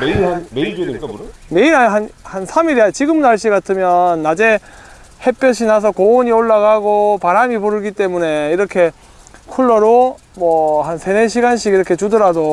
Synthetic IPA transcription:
meiɾɦanmeiɭd͡ʑedenk͈aboɾɯme̞iɾɦaɦanhansʰamiɾat͡ɕiɡɯmnaɭɕ͈iɡatʰɯmjʌnːad͡ʑe̞ | he̞p͈jʌɕ̬ʰinas̬ʰʌkoːɲioɭːaɡaɡopaɾamipoɾɯɡit͈e̞mune̞iɾʌkʰe̞ | kʰuɭːʌɾo | mwʌhansʰe̞neɕ̬ʰiɡanɕʰiɡiɾʌkʰe̞t͡ɕudɯɾado

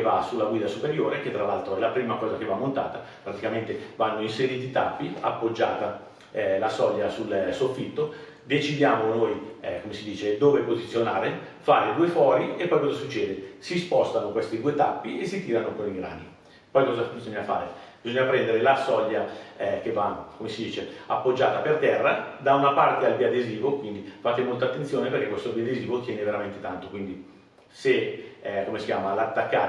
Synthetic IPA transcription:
va̰sulːaɡwiːd̪asupeɾjoːɾeket̪ːɾalːalt̪ɾoɛlapɾiːmakɔːzakevamːont̪a̰ːt̪a | pɾat̪ikament̪evanːoinseɾiːt̪it̪a̰pːia̰pːod͡ʒːa̰ːt̪a | lasɔʎːasulsofːit̪ːo | d̪et͡ʃid̪jaːmonojkomesid̪iːt͡ʃed̪oːvepozit̪sːjonaːɾe | fa̰ːɾed̪uːefwɔɾiepːɔjkɔzasut͡ʃːɛːd̪esispɔst̪akoŋkwest̪id̪uːet̪a̰pːiʔesːit̪iːɾanokoniɡɾa̰ːni | pɔjkɔzabizoɲːafa̰ːɾeb̥izoɲːapɾɛnd̪eɾelasɔʎːaɛkevːakomesid̪iːt͡ʃeapːod͡ʒːaːt̪apert̪ɛrːad̪aunapart̪ealbiad̪eziːvokwind̪ifat̪ːemolt̪at̪ːensjoːneperk̟ekwest̪obiad̪eziːvot̪jɛːneveɾament̪et̪ant̪okwind̪i | sekomesikʲjaːmalat̪ːakːaː

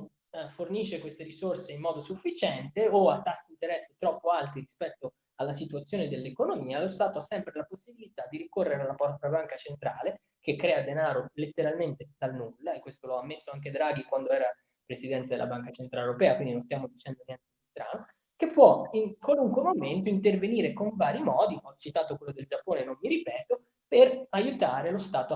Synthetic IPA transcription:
forniʃːekwest̪eɾisorseimːɔːd̪osufːit͡ʃɛnt̪eoat̪ːasːeiint̪eɾɛsːit̪ɾɔpːoalt̪iɾispɛt̪ːo | alːasit̪wat̪sːjoːned̪elːekonomiːalost̪aːt̪oasːɛmpɾelaposːibilit̪ad̪iɾikorːeɾealːabɔabaŋkat͡ʃent̪ɾaːle | k̟ekːɾɛːad̪enaːɾolet̪ːeɾalment̪et̪alnulːaekwest̪oloamːesːoaŋk̬ed̪ɾaɡikwand̪oɛːɾa | pɾesid̪ɛnt̪ed̪ela̰baŋkat͡ʃent̪ɾaleoɾopɛːakwind̪inõnst̪jaːmod̪it͡ʃɛnd̪onjɛnt̪ed̪ist̪ɾa̰ːno | kepːwɔiŋkwaluŋkwemoment̪oint̪erveniːɾekoɱvaːɾimɔːd̪iɔt͡ʃːit̪aːt̪okwelːod̪eld͡ʒapːoːnenonːiɾipɛːt̪o | perajut̪aːɾelost̪aːt̪o

